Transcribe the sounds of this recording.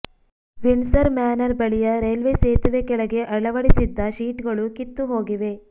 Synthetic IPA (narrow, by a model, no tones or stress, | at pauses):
ʋiɳsɐɾmaːnɐɾbɐɭijɐɾeːlʋeseːt̪ɐd̪ekɛɭɐɡe̞ʔɐɭɐʋɐɽisid̪ːɐʃiːʈɡɐɭukit̪ːuɦo̞ːɡiʋe̞